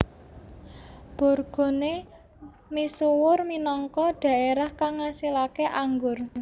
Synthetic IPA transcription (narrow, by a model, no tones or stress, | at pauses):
b̥ɔ̤rɡ̥o̤ne | misuwʊrminɔŋkɔɖ̥ä̤ʔeɾahkaŋːasilakeʔaŋɡʊr